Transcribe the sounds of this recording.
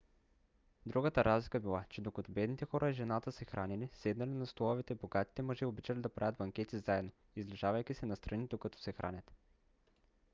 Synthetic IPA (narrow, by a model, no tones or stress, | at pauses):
d̪ɾuɡət̪əɾazlikəbilˠat͡ʃɛd̪okɐt̪ɔbɛd̪nit̪ɛxɔɾəiʒɛnat̪əsɛxɾʔanɛlisɛd̪nɐlinɐst̪olˠɔvɛt̪ɛboɡat̪i̥t̪ɛmɐʒɛobit͡ʃɐlid̪ɐpɾavʲət̪bɐŋkʲɛt̪izaɛd̪no | izlɛʒavɐjkʲisɛnɐst̪ɾʔɐnid̪okɐt̪ɔ̥sɛxɾʔa̰nʲɐt̪